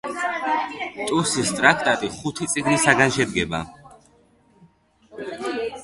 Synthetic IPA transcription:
t̪ʼuɾsist̪ʼɾak̚ʰt̪ʼat̪ʼiχut̪ʰit̪sʼiɡnisaɡanʃɛd̪̚ɡɛba̰

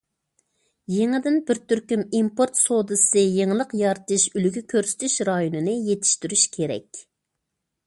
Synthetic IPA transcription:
jeŋɪd̪ɪnbɪɾt̪ʰyɾkʲymimpoɾt̪sod̪ɨsɨjeŋɨlˠəqjɑɾt̪ɨʃylyɡʲykʲʰøɾsɪ̥t̪ʰyʃɾɑjonɨnɨjet̪ʰɪ̥ʃt̪yɾyʃkʲʰeɾɛ̰kʲ

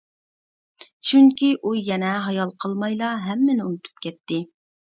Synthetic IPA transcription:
t͡ʃʰyŋkʲiʔujɛnɛɦɑjɑlˠqʰəlˠmɑjlˠɑɦɛmːɪnɪṵnɨt̪ʰu̥p̚kʲʰɛt̪ːɪ

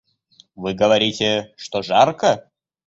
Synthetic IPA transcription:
vɨɡəvɐɾʲitʲɪʂt̪oʐarkə

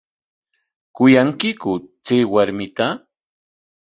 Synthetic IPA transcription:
kʊjaŋkɪkʊt͡seːwaɾmɪt̪a

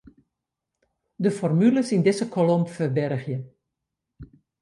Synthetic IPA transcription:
dəfɔrmyləsindɪzəkʰolompfərbɛrɣjə

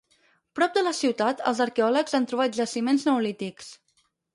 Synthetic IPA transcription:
pɾɔp̚d̪ələsiwt̪at̪ə̰lˠzəɾkeɔləkzant̪ɾuβat̪̚ʒəsimenznəwlit̪iks

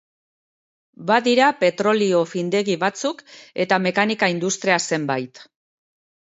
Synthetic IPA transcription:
baðiɾape̞t̪ɾo̞lio̞find̪e̞ɣiβat͡suke̞t̪ame̞kanikaind̪ust̪ɾiase̞mbajt̪

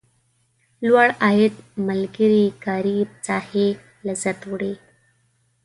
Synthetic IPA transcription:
lwaɭaɦet̪məlɡiɾikaɾit͡sahe | ləzət̪ʋɽe

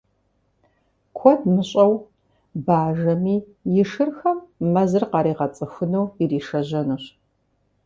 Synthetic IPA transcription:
kʷʰɔdmɨɕʼɐw | baːʒɐmiː | jɪʂɨrxɐmːɐzɨrqɑːɾiːʁɐt͡sʼɨxʷʊnɐwiriːʂɐʑɐnɨɕ

